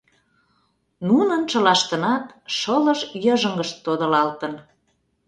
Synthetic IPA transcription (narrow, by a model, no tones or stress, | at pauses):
nunənt͡ʃə̆lɑʃt̪ənɑt̪ʃɤləʃjəʒə̆ŋɡəʃt̪ːod̪ə̆lɑlt̪ən